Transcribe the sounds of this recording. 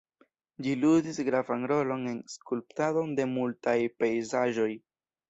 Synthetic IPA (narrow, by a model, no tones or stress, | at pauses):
d͡ʒiludisɡɾavanɾo̞lo̞ne̞nskulp̚tado̞nde̞multajpe̞jzaʒo̞j